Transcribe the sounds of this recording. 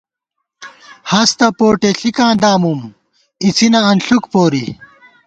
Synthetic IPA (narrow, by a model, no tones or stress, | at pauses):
hɐst̪ɐpoːʈeɬikãːd̪aːmum | it͡sʰinɐɐnɬukpoːɾi